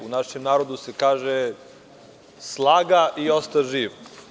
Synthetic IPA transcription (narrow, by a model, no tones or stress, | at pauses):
unaʃemnaːɾod̪use̞kaːʒe | slˠaːɡaʔio̞st̪aʒiːʋ